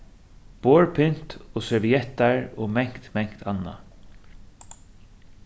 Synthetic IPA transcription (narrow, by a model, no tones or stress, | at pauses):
b̥oːɹpʰɪn̥t̪ɔsɛɹviɛt̪aɹɔmɛŋ̥kt̪mɛŋ̥kt̪ʰanːa̰